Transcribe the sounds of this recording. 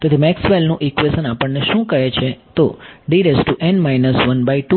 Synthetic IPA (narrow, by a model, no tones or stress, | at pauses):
t̪ot̪imɛksʋelnũʔikʋesənapəɳneʃũkəɦet͡ʃʰet̪oɖiɾesʈuʔenmajnəsʋənbaiʈu